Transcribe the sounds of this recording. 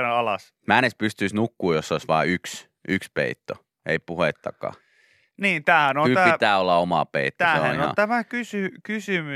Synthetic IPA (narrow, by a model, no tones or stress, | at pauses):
eɑlɑs | mænespyst̪yisnukːuːjosːoˑisʋɑ̰ːyks | ykspḛit̪ːo | eipuhet̪ːɑ̰kɑ̰ː | niːnt̪æːhænoæit̪æːolːɑomɑ̰pḛit̪ːoæoæinoɑ̰t̪æmækysykysymy